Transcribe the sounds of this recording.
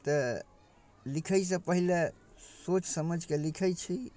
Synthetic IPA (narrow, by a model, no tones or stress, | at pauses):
t̪ə | likʰəjs̬ə̃pəɦile | sot͡ʃsəməd͡ʒʱkelikʰəjt͡ʃʰi